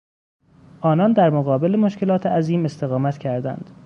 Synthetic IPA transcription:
ʔɒːnɒnd̪æɾmoɣɒːbe̞lemoʃce̞lɒːt̪ʰeæziːme̞st̪e̞ɣɒːmæt̪cʰæɾd̪æ̰nd̪̥

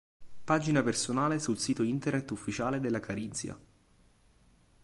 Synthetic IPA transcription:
paːd͡ʒinapersonaːlesulsiːt̪oint̪ernet̪ːufːit͡ʃaːled̪elːakaɾint̪sja̰

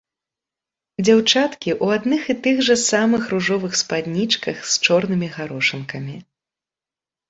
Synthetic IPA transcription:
d͡zʲawt͡ʂat̪kʲiʔuad̪nɨxit̪ɨɣʐɐsamɨxruʐɔvɨxspad̪ʲnʲit͡ʂkɐxst͡ʂɔrnɨmʲiɣaɾɔʂɨnkɐmʲi

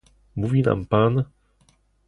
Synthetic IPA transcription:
muvʲina̰mpan

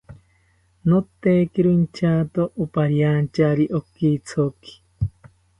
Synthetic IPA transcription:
not̪ekiɾoint͡ʃʰaːt̪oʔupaɾjant͡ʃaɾiʔokit͡sʰoki̥

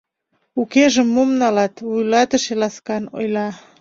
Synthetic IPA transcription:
ukeʒəmːomnɑlɑt̪βujlɑt̪əʃelɑskɑno̰jlɑ

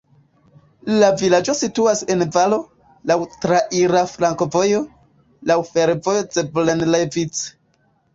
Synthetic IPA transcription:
lavilad͡ʒo̞situase̞nvalo̞ | lawtɾaʔiɾafɾaŋko̞vo̞jo̞ | lawfe̞ɾvo̞jo̞t͡seblenlevit͡s

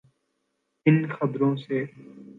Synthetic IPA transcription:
ɪnxəbɾõːseː

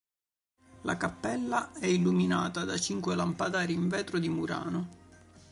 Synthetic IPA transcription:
la̰kapːɛlːaɛilːuminaːt̪ad̪at͡ʃiŋkwelampad̪aːɾiːɱvɛːt̪ɾod̪imuɾa̰ːno

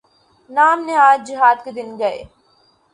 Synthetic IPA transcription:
naːmneaːd͡ʒd͡ʒɪɦaːd̪ked̪ɪnɡɐḛː

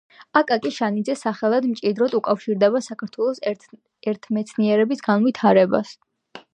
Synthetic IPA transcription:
akʼakʼiʃanid̪zɛsaχɛlˠad̪mt͡ʃʼid̪ɾɔd̪ukʼafʃiɾd̪ɛbasakʰaɾt̪ʰwɛlˠɔs | ɛɾt̪ʰmɛt̪sʰniɛɾɛbisɡanvit̪ʰaɾɛba̰s

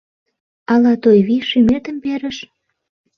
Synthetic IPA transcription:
ɑlɑt̪ojβiʃymet̪əmpeɾə̆ʃ

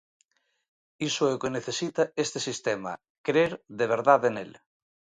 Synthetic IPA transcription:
isoɛukeneθesit̪aest̪esist̪emɐ̰ | kɾeɾðeβ̞eɾðaðenel

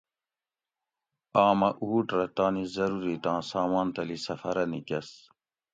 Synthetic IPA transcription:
aːmɐʔuːʈɾɐt̪aːnizɐɾuɾit̪ãːsaːmaːnt̪ɐlisɐfɐɾɐnikɐs

